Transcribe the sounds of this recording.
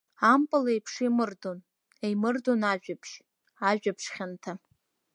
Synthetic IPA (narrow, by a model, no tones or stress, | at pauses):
ampʼalaejpʰʂimɨrdon | ejmɨrdonaʒᶣapʰʃ | aʒᶣapʰʂχʲantʰa